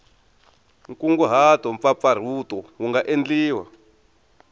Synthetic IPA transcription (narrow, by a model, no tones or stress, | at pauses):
ŋkuŋɡuɦatɔɱfap̪far̤utɔwuŋɡaʔend͡ɮiːwa̰